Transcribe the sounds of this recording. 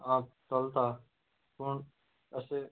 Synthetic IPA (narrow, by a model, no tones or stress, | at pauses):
ãːt̪əlt̪aː | kʊɳ | əseː